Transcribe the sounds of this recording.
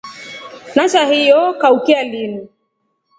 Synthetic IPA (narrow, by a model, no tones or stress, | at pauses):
nat͡ʃahijɔkaukialini